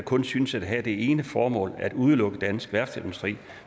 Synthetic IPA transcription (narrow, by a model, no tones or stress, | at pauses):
kʰɔ̽nsynsæd̥ɦæd̥e̝e̝ːnəfɒːmɔ̰̽ːlæd̥uð̞ˠəlɔ̽ɡ̥əd̥ænsɡ̥ʋæɐ̰̥sæ̥musd̥ʁḭː